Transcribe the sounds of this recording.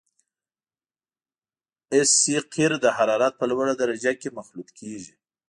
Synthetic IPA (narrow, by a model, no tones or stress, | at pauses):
ɪsːiqʰiɾd̪əhaɾɑɾɑt̪̚pəlwaɽad̪aɾad͡ʒakemaxlut̪kʰeʒi